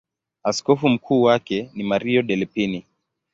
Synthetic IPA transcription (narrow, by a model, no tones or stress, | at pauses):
askɔfum̩kʰuːwakɛnimaɾiɔɗɛlipini